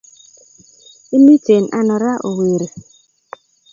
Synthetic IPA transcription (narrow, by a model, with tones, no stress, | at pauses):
i˦mi˦t͡se˨nʔa̰˦nɔ˨ɾa˦ʔo˨we˨ɾe˨